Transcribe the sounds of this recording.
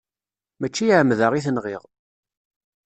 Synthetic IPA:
mæt͡ʃːijʕəmðəʁiθənʁɪʁ

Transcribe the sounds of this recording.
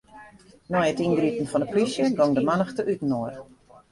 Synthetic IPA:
nɔjətinɡritən̩fɔndəplisjəɡɔŋdəmanəxtəʔytn̩oər

